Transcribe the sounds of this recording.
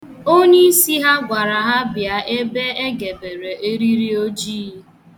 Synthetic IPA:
o˦ɲe˦si˦ɦa˦ɡʷa˨ɾa˨ɦa˦bja˨ʔe˦be˦e˦ɡe˨be˨ɾe˨ʔe˦ɾi˦ɾi˦o˦d͡ʒiː˦

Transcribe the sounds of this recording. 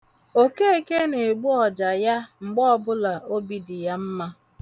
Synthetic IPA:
o˨ke˦e˨ke˦ne˨e˨ɡ͡bu˦ɔ˨d͡ʒa˨ja˦ŋ͡m̩˨ɡ͡bɔ˦ɔ˦˨bʊ˦la˨o˦bi˨dɪ˨ja˦m̩˦ma˦

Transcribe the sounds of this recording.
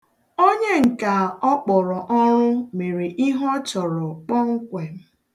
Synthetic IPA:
o˦ɲe˦ŋ̩˨ka˨ɔ˦k͡pɔ˨ɾɔ˨ʔɔ˦ɾʊ˦me˨ɾe˨ʔi˦ɦɔ˦t͡ʃɔ˨ɾɔ˨k͡pɔ˦ŋ̩˦kʷe˨m̩˦

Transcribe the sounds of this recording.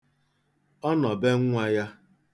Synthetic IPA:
ɔ˦nɔ˨be˦ŋ̩˦ŋʷ˦a˨ja˦

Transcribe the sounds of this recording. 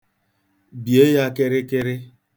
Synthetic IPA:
bje˦ja˦kɪ˦ɾɪ˦kɪ˦ɾɪ˦

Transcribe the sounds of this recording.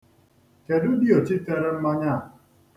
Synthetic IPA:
ke˨dʊ˦di˦ɔ˨t͡ʃi˦te˦ɾe˦m̩˦ma˦ɲa˦˨

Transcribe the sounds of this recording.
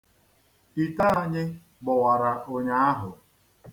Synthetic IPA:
i˨ta˦a˦˨ɲɪ˦ | ɡ͡bʊ˨wa˨ɾa˨ʔo˦ɲa˦a˦ɦʊ˨

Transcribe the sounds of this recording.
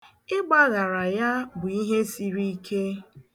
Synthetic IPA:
ɪ˦ɡ͡ba˦ɣa˨ɾa˨ja˦bʊ˨i˦ɦe˦si˦ɾi˦kʰe˦

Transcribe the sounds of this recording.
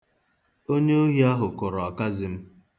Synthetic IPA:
o˦ɲe˦o˦ɦi˦a˦ɦʊ˨kʊ˨ɾɔ˨ka˦zɪ˨m̩˦

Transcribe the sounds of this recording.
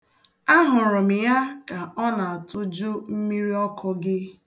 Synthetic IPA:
a˦ɦʊ˨ɾʊ˨m̩˨ja˦ka˨ɔ˦na˨a˨tʊ˦d͡ʒʊ˦m̩˦mi˦ɾi˦ɔ˦kʰɔ˦ɡɪ˦

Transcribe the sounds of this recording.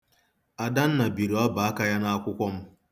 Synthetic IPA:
ʔa˨da˦nːa˨bi˨ɾwa˦baː˨˦ka˦ja˦naː˦˨kʷʊ˦kʷɔ˦m

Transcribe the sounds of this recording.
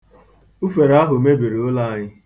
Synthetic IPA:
u˦fe˨ɾa˦ɦʊ˨me˦bi˨ɾi˨ʊ˦la˦a˨ɲɪ˦

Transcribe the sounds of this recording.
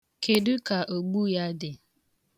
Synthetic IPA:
kʰe˨dʊ˦ka˨ʔo˨ɡ͡bu˦ja˦dɪ˨

